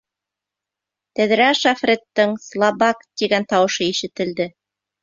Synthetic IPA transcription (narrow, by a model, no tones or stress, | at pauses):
t̪æðɾæʃafrʲet̪ːɤŋslˠɑbɑkt̪iɡænt̪ɑwɤ̆ʃɤiʃɘ̆t̪ɘ̆ld̪ɘ